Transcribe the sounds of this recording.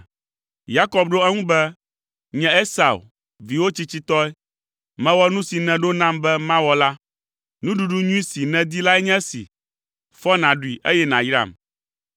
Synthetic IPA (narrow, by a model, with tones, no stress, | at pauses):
ja˦kɔ˨bɖo˦ɛ˦ŋũ˦bɛ˦ | ɲɛ̃˦e˦sa̰˨ṵ˨ | vi˨wo˦t͡ɕi˦t͡ɕi˦t̪ɔ˦ɛ˦ | mɛ̃˦wɔ˦nũ˦si˨nɛ̃˨ɖo˦nã˦mbɛ˦mã˦wɔ˦la˦ | nũ˦ɖu˨ɖu˦ɲũ˦i˦si˨nɛ̃˨d̪i˦la˦ɛ˦ɲɛ̃˦sḭ˨ | fɔ˦nã˨ɖu˨i˨ʔe˦jɛ˦nã˨jɾa̰˦˨m